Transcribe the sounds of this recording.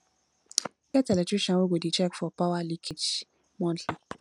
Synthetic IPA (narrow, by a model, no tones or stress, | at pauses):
kɛtɛlɛtiʃɔ̃woɡodit͡ʃɛkfɔpawalikʰid͡ʒ | mɔ̃ntli